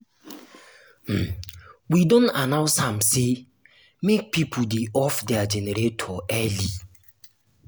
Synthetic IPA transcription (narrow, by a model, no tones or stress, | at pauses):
m̩widɔ̃nanaʊsãmse | mek̚pipʰodeʔɔfdɛad͡ʒɛneɾetʰɔʔɛli